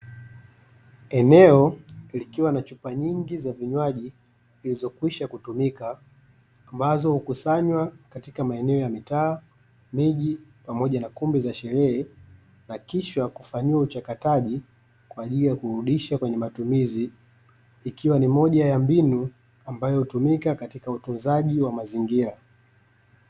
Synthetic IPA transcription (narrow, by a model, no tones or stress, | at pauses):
ɛnɛɔlikiwanat͡ʃupaɲiŋɡizaviɲwaʄi | ilizɔkwiʃakutumikaː | mbazɔhukusaɲwakatikamaɛnɛɔjamitaː | miʄipamɔʄanakumbizaʃɛɾɛɛ | nakiʃwakufaɲiwaut͡ʃakataʄi | kwaːʄilijakuɾuɗiʃakwɛɲɛmatumiziː | kiwanimɔʄajambinu | ambajɔhutumikakatikautunzaʄiwamaziŋɡiɾa